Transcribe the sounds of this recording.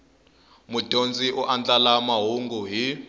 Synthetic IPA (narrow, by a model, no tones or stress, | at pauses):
mutʼond͡ziʔuʔand͡ɮalamaɦuŋɡuɦi